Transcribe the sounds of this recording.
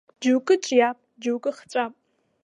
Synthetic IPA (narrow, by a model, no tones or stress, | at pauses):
d͡ʒɨwkʼɨt͡ʃʼjaːp̚ʼd͡ʒɨwkʼɨχt͡ʃʼapʼ